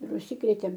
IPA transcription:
ɪr ʊʃʲˈsʲɪkrʲeːtʲeːm

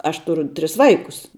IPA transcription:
ˈɐʃ ˈtʊrʊ ˈtʲrʲɪs ˈʋɐɪkʊs

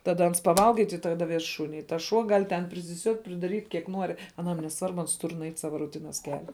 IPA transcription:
tɐˈdɐ ˈɐns pɐˈʋɐlˠɡɐ ɪ tʲɪk tɐˈdɐ ˈʋʲɛs ˈʃuːnʲɪ ɪ tɐs ˈʃuɔ ˈɡɐlʲ tʲɛn pʲrʲɪsʲɪˈsʲuɔtʲ pʲrʲɪdɐˈrʲiːtʲ kʲiɛk ˈnuɔrʲɪ ɐˈnɐm nʲɛˈsʋɐrbʊ ˈɐns ˈtʊr nʊˈɛɪt ˈsɑːʋɐ rʊˈtʲɪnɐs ˈkʲæːlʲɛ

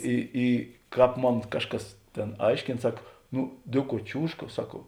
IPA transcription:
iː ˈiː ˈkɑːp ˈmoːn ˈkɑːʃˌkɐs ˈtʲeːn ˈɐɪʃʲkʲeːn ˈsɐk ˈnʊ ˈdʲeːˌkuɔ ˈt͡ʃʲuːʃkɐ ˈsɐk

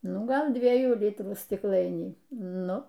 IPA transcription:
ˈnʊ ˈɡɐlˠ ˈdʲʋʲiɛjuː ˈlʲɪtruː sʲtʲɪkˈlˠɐɪnʲiː ˈnʊ

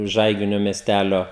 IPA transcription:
ˈʒɐɪɡʲɪnʲoː mʲiɛˈsʲtʲælʲoː

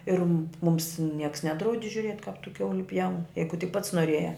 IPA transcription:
ɪr mʊms nʲiɛks ˈnʲæːdrɐʊdʲɪ ʒʲʊˈrʲiɛtʲ kɐp tʊ ˈkʲɛʊlʲɪ pʲjɛʊn ˈjɛɪɡʊ tʲɪk pɐts noːˈrʲeːjæː

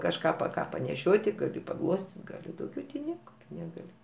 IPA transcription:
kɐʃˈkɑː pɐ ˈkɑː pɐnʲɛˈʃʲoːtʲɪ ɡɐˈlʲɪ pɐˈɡlˠoːsʲtʲɪtʲ ɡɐˈlʲɪ dɐʊˈɡʲɛʊ tʲɪ ˈnʲiɛkɐ ˈtʊ nʲɛˈɡɑːlʲɪ

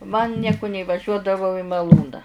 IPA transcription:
mɐn ˈnʲiɛkʊ nʲɛiːʋɐˈʒʲuɔdɐʋɐʊ ɪ mɐˈlˠuːnɐ

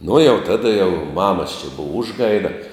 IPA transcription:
nʊ jɛʊ ˈtɑːdɐ jɛʊ ˈmɑːmɐs t͡ʃʲɛ ˈbʊʋɐ ˈʊʒˌɡɐɪdɐ

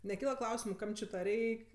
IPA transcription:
nʲɛˈkʲiːlˠɐ ˈklˠɐʊsʲɪmʊ ˈkɐm t͡ʃʲɪ tɐ ˈrʲɛɪkʲ

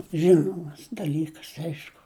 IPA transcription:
ˈʒʲɪnoːmɐs dɐˈlʲiːkɐs ˈɐɪʃkʊ

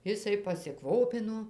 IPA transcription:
ˈɪsɐɪ pɐsʲɪˈkʋoːpʲɪnoː

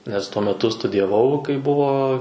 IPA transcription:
nʲɛs ˈtuɔ mʲɛˈtʊ stʊdʲɪjɛˈʋɐʊ kɐɪ ˈbʊʋoː

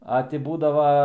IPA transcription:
ɐ ˈtʲɪ ˈbuːdɐʋɐ

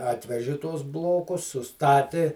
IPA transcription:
ˈɑːtʲʋʲɛʒʲɪ ˈtuɔs ˈblˠoːkʊs sʊˈstɑːtʲɪ

